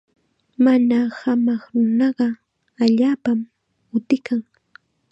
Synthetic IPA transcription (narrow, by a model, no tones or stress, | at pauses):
manahamɑχɾʊnɑɢɑ | aʎaːpam | ʊt̪ɪkaŋ